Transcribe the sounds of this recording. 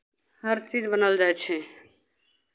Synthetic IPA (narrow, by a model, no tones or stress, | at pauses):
həɾt͡ʃiːzbənəld͡ʒaːet͡ʃʰẽː